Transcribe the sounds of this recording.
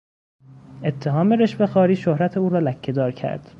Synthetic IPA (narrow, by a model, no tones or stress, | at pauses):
e̞t̪ʰːe̞ɦɒːme̞ɾe̞ʃbe̞xɒːɾiːʃohɾæt̪ʰe̞uːɾɒːlæcʰːe̞d̪ɒːɾcʰæ̰ɾd̪̥